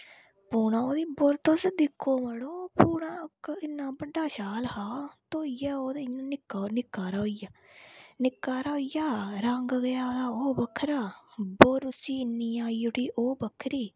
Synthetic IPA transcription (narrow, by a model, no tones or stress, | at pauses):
puːɽãːoːd̪iːboɾt̪õːsd̪ɪkʰːoːməɽoːpuːɽãːkɪnːãːbəɖaːʃaːlhaːt̪oːijaːoːd̪eːnːnɪkːanɪkːaːɾaːijaːnɪkːaːɾaːoijaːɾəŋɡɡəjaːd̪aːoːbəkʰːɾaːboɾʊsiːɪnːiːaːiːʊɽiːʔoːbəkʰɾiː